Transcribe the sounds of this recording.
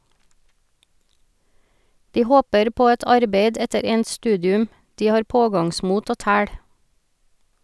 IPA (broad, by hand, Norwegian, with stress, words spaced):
ˈdiː ˈhoːpəɾ ˈpoː ˈɛt ˈɑɾbeɪd ˈɛtəɾ ˈɛnt ˈstʉːdɪʉm ˈdiː ˈhɑːɾ ˈpoːɡɑŋˌsmuːt ˈoː ˈtæːɽ